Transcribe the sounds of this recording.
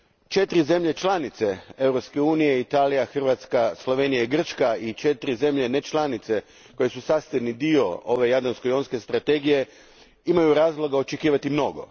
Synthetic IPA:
t͡ʃe̞t̪ɾize̞mʎe̞t͡ʃlˠanit̪se̞e̞wɾopske̞uːnije̞it̪aːlijaxr̩ʋat̪skaslˠo̞ʋe̞ːnijaiɡr̩t͡ʃkait͡ʃe̞t̪ɾize̞mʎene̞t͡ʃlˠanit̪se | ko̞je̞susaːst̪ed̪nid̪io̞o̞ʋe̞jad̪anskojonske̞st̪ɾat̪e̞ːɡije̞ | imajuɾaːzlˠo̞ɡao̞t͡ʃekiːʋat̪imno̞ɡo̞̰

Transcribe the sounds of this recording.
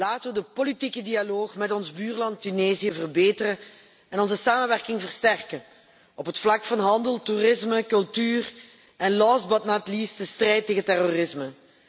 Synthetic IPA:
laːtəʋədəpolitikədialoːxmɛtɔnzbyːrlɑntːyneːzijəvərbeːtərə | ɛnɔnzəsaːməʋɛrkɪŋvərstɛrkə | ɔpɦətflɑkfɑnɦɑndəlˠturɪsməkɵlˠtyːr | ɛnlɔsbɑtnaːtlistəstrɛjtːeːɣəntɛrorɪsmə

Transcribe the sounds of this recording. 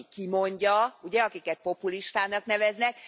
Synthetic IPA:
kimo̞ɲɟɒuɟɛɒkikɛt̪̚po̞puliʃt̪aːnɒkn̪ɛvɛznɛk

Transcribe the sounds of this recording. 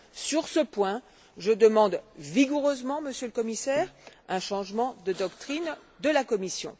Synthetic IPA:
syʁsəpwɛ̃ | ʒəd̪əmɑ̃d̪viɡuʁøzmɑ̃məsjøləkɔmisɛːʁɛ̃ʃɑ̃ʒmɑ̃d̪əd̪ɔkt̪χin | d̪əlakɔmisjɔ̰̃

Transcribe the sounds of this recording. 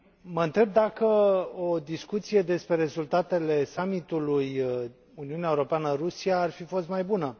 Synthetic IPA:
məɨnt̪ɾeb̚d̪akəod̪iskut̪sije̞d̪e̞spɾe̞ɾe̞zult̪at̪e̞le̞samit̪uluj | uniuneaeuɾo̞peanəɾusiaːrfifo̞st̪majbunə

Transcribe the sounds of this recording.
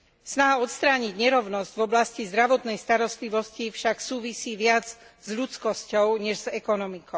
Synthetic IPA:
snaɦaɔt̪st̪ɾaːɲiɟɲɛɾɔʊnɔzɟvɔblascizd̪ɾaʋɔt̪nɛjst̪aɾɔst̪liʋɔscifʃaksuːʋisiːʋɪad͡z | zʎutkɔscɔʊɲɛʒzɛkɔnɔmikɔ

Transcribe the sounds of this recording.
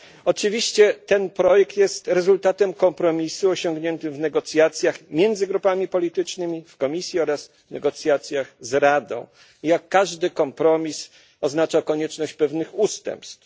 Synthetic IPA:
ɔt͡ʂɘvʲiɕt͡ɕɛt̪ɛnpɾɔjɛk̚t̪jɛst̪ɾɛzult̪at̪ɛmkɔmpɾɔmʲisuɔɕɔŋɡɲɛnt̪ɘmvnɛɡɔt̪sʲjat̪sʲjaxmʲjɛnd̪zɘɡɾupamʲipɔlʲit̪ɘt͡ʂnɘmʲifkɔmʲisʲjiɔɾas | nɛɡɔt̪sʲjat̪sʲjaxzɾad̪ɔ̰̃w̃ | jakːaʐd̪ɘkɔmpɾɔmʲis | ɔznat͡ʂakɔɲɛt͡ʂnɔɕt͡ɕpɛvnɘxust̪ɛ̰mpst̪f

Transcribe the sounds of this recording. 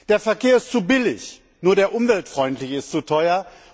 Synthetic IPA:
d̥eːɐfɛɐkʰeːɐɪst͡subɪlɪç | nuːɐdeːɐʔʊmvɛltfʁ̥ɔʏntlɪçəɪstt͡sutʰɔʏɐ

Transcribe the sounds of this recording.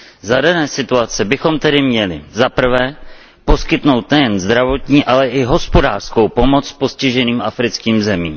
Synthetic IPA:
zadanɛːsɪt̪uat͡sɛbɪxo̞mt̪ɛdɪmɲɛlɪ̰zapr̩vɛː | po̞skɪt̪no̞wt̪nɛjɛnzd̪ɾavo̞t̪ɲiːʔalɛʔɪɦo̞spo̞daːr̥sko̞wpo̞mo̞t͡spo̞scɪʒɛniːmʔafɾɪt͡skiːmzɛmiːm

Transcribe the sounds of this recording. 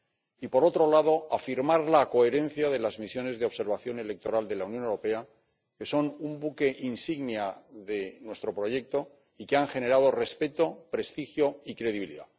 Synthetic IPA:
ipo̞ɾo̞t̪ɾo̞laðo̞afiɾmaɾlako̞e̞ɾẽ̞n̟θjaðe̞lazmisjo̞ne̞zðeo̞βse̞ɾβaθjo̞ne̞le̞k̚t̪o̞ɾald̪e̞launjonewɾo̞pe̞a | ke̞so̞numbuke̞ʔinsiɣnjaðe̞nwe̞st̪ɾo̞pɾo̞ʝe̞k̚t̪o̞ | ikeaŋxe̞ne̞ɾað̞o̞re̞spe̞t̪o̞pɾe̞st̪ixjo̞ikɾe̞ðiβilḭða̰

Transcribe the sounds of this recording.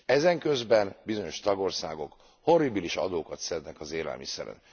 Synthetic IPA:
ɛzɛŋkø̞zbɛnbizoɲo̞ʃt̪ɒɡo̞rsa̰ːɡo̞k | ho̞rːibiliʃɒ̰d̪oːkɒt̪sɛd̪nɛkɒzeːlɛ̰lmḭsɛ̰ɾɛ̰n

